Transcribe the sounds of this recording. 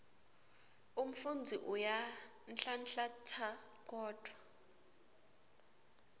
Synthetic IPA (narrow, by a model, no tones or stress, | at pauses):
um̩fund͡zʱiʔuja | nɬanɬatʰa | k̬ʼɔːd̥ʱwa